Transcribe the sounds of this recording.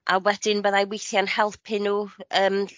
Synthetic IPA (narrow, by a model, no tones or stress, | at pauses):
ʔawɛd̥ɪnbəðajwejθjanhɛlˠpʰɪnuəːm